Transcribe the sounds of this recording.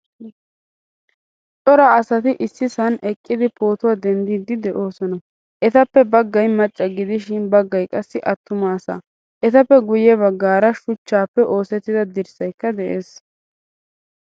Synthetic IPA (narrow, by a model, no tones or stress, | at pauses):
t͡sʼɔɾaɐsɐt̪ɪʔɪsːɪsɐnɛkʼːɪd̪ɪpo̞ːt̪ʊwad̪ɛnd̪iːd̪ɪd̪ɛʔo̞ːsɔnɐ | ʔɛt̪ɐpːɛbɐɡːɐjmɐt͡ʃʼːɐɡɪd̪ɪʃɪnbɐɡːɐjkʼɐsːɪʔɐt̪ːʊmaːsa̰ː | ʔɛt̪ɐpːɛɡʊjɛbɐɡːaːɾɐʃʊt͡ʃːaːpːɛʔo̞ːsɛt̪ːɪd̪ɐd̪ɪɾsɐjkːɐd̪ɛʔeːs